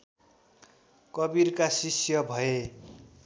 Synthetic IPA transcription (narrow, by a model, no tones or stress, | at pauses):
kʌbiɾkasisjʌbʱʌe